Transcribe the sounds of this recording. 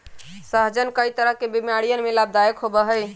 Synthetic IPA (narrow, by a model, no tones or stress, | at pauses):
səɦd͡ʒənkəit̪əɾəɦkebimjaɽijənmelab̚d̪ajəkɦobəɦəj